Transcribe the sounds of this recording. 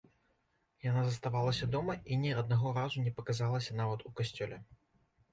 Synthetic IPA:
janazɐst̪avalˠɐsʲɐd̪ɔmɐinʲɛɐd̪̚naɣɔɾazunʲɛpɐkazalˠɐsʲɐn̪avɐt̪ukasʲt͡sʲɔlʲɛ

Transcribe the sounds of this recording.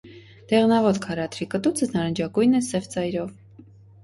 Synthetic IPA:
d̪̥ɛʁnɑvɔt̪kʰɑɾɑt̪ʰɾikət̪ut͡sʰəznɑɾənd͡ʒɑkujnɛsɛvt͡sɑjɾɔv

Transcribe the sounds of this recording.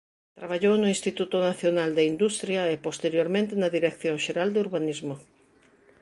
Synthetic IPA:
t̪ɾaβ̞aʎownʊĩnst̪it̪ut̪ʊnaθjonald̪eind̪ust̪ɾjɐepost̪eɾjoɾmẽnt̪ɪnɐðiɾekθjoŋʃeɾald̪euɾβanizmo

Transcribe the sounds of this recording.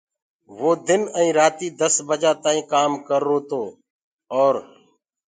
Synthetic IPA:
ʋoːd̪ɪnə̃ĩːɾaːt̪iːd̪əsbəd͡ʒaːt̪aːĩːkaːmkəɾːoːt̪oː | ɔːɾ

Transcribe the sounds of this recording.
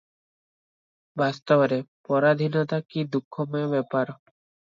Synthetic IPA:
bast̪ɔbɾepɔɾad̪ʱinɔt̪akid̪ukʰːɔmɔebɛpaɾɔ

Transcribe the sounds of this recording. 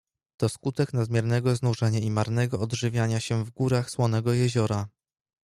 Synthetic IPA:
t̪ɔskut̪ɛknad̪mʲjɛɾnɛɡɔznuʐɛɲaimaɾnɛɡɔːd̪ʐɘvʲjaɲaɕɛvɡuɾaxswɔnɛɡɔjɛʑɔɾa

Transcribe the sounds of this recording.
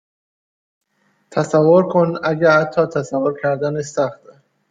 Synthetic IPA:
t̪ʰæsævːoɾkʰonæɟææt̪ʰːɒːt̪ʰæsævːoɾcʰæɾd̪ænesæxt̪

